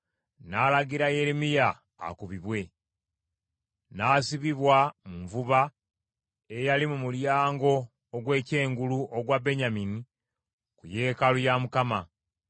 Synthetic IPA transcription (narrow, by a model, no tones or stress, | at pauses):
naːlaɡiɾaje̞ɾimija̰ː | kuβiβwe̞ | naːsiβiβwamuɱvuβa | ejalimumuljaːŋɡo̞ː | ɡwe̞ːce̞ːŋɡuluʔoɡwabe̞ɲamini | kuje̞ːkalujamukama